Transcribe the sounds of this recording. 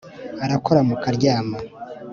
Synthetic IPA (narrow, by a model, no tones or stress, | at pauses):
aɾako̞ɾamukaɾɟaːma